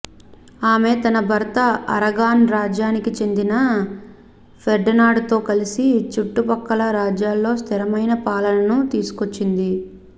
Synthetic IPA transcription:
aːme̞ːt̪ɐnɐbʱɐɾt̪ɐɐ̰ɾɐɡaːnɾaːd͡ʒjaːnikit͡ʃe̞nd̪inɐ | pʰeɾɖɐnaːɖt̪o̞ːkɐlisit͡ʃuʈːupɐkːɐlɐɾaːd͡ʒjaːlːo̞ːst̪ʰiɾɐmɐjnɐpaːlɐlɐnut̪iːsu̥ko̞t͡ʃːind̪i

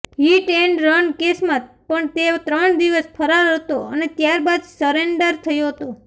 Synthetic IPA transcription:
ɦiʈeɳɖɾəɳkesmãt̪̚ | pəɳt̪et̪ɾəɳd̪iʋəspʰəɾaɾɦət̪oənet̪jaɾbad̪səɾeɳɖəɾt̪ʰəjõɦət̪o

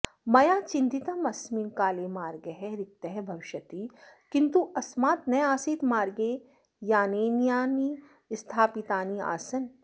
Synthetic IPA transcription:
mɐjaːt͡ʃɪ̃nt̪it̪əmɐsminkaːlemaːɾɡeɦɛɾɪk̚t̪eɦɛbʱɐʋɪʃət̪ikɪ̃nt̪uʔɐsmaːt̪nɐjaːsiːt̪maːɾɡe | jaːnenjaːni | st̪ʰaːpit̪aːnia̰ːsɐn

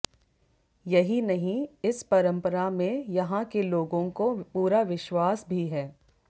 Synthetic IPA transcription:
jɐɦinɐɦĩɪspɐɾə̃mpəɾamẽjɐɦãkeloːɡõkopuːɾaʋɪʃwaːsbʱiɦɛː

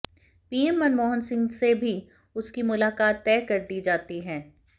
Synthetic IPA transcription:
piːɛmːɐnmɔːɦənsɪ̃ŋɡsebʱi | ʊskimʊlaːkaːt̪ːɛːkɐɾd̪iːd͡ʒaːt̪iɦɛ̃ː

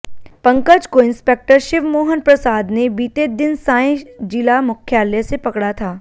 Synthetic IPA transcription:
pɐ̃ŋkəd͡ʒkoɪ̃nspeːk̚ʈəɾʃɪʋmoːɦənpɾɐsaːd̪nebiːt̪ed̪ɪnsãːẽd͡ʒilamʊkʰjaːləsepɐkɽat̪ʰaː

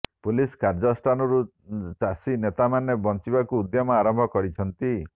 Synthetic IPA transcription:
puliskaɾd͡ʒɔsʈanɔɾu | t͡ʃasinet̪amanebɔnt͡ʃibakuːd̪jɔmɔaɾɔmbʱɔkɔɾit͡ʃʰɔnt̪i

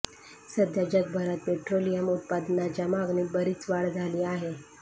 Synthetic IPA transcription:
səd̪jad͡ʑəɡ̚bʱəɾat̪̚peʈɾolijəmut̪̚pad̪nat͡ɕamaɡniːbəɾiːt͡sʋaɭd͡zʱaliːaɦe

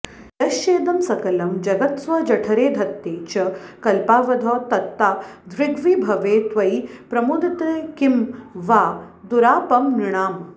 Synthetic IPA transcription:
jɐʃeːd̪ɐmsɐkɐlɐmd͡ʒɐɡɐt̪sʋɐd͡ʒɐʈʰɐɾeːd̪ʱɐt̪ːeːt͡ʃɐkɐlpaːʋɐd̪ʱɔːt̪ɐt̪ːaːd̪ʋɪɡʋibʱɐʋeːt̪ʋɐjpɾɐmud̪ɐt̪ɐkimʋaː | d̪uɾaːpɐmniɳaːm

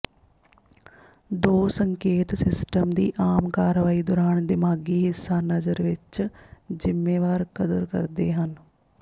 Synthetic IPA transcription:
d̪oːsəŋkeːt̪sɪsʈəmd̪ḭːʔaːmkaːɾʋaːiːd̪ɔːɾaːnd̪ɪmaːɡiːɦɪsːaːnəzəɾʋɪt͡ʃzɪmːeːʋaːɾkəd̪əɾkə̰ɾd̪ḛːɦən

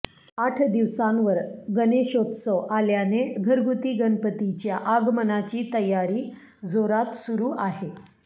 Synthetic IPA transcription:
aʈʰd̪iʋsãnʋəɾɡəneɕot̪səʋʔaljaneɡʱəɾɡut̪iːɡənpət̪it͡ɕjaʔaɡmənat͡ɕiːt̪əjːaɾiː | d͡zoɾat̪suɾuːʔaɦe

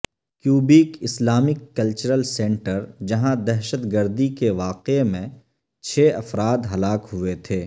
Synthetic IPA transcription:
kjuːbikɪslaːmɪkːɐlt͡ʃəɾəlsɛ̃ɳʈəɾd͡ʒɐɦãd̪ɛɦʃət̪ɡəɾd̪ikeʋaːqemẽ | t͡ʃʰeːɐfɾaːd̪ɦɐlaːkɦʊet̪ʰeː

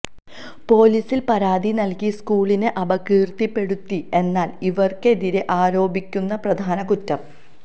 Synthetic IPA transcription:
po̞ːliːsilpɐɾaːd̪inɐlkiskuːɭinɨʔɐbɐkiːrt̪ipːe̞ɽut̪ːie̞nːaːliʋɐrke̞ðiɾeʔaːɾo̞ːbikʲːunːɐprɐd̪ʱaːnɐkutːɐm

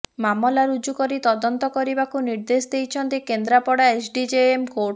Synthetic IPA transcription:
mamɔlaɾud͡ʒukɔɾit̪ɔd̪ɔnt̪ɔkɔɾibakuniɾd̪esd̪ejt͡ʃʰɔnt̪ikend̪ɾapɔɽaesʰɖid͡ʒeemkoʈ

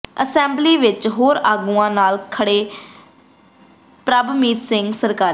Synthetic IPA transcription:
əsɛ̃ːmbliːʋɪt͡ʃɦoːɾaːɡũːãːnaːlkʰəɽeː | pɾabmiːt̪sɪŋɡsəɾkaːɾ

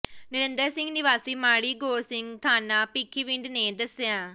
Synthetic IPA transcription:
nɪɾẽnd̪əɾsɪ̃ŋɡnɪʋaːsiːmaːɽiːɡoːsɪŋɡt̪ʰaːnaːpikʰːiʋiɳɖnẽːd̪ɐsjãː

